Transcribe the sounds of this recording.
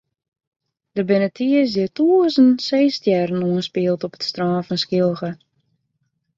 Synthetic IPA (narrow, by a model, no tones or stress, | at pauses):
d̥əbɪnətʰiəsdɪtʰuəsənseːstjɛrnuənspiəlˠtɔpə̥tstraːnfɔnskɪlˠɣə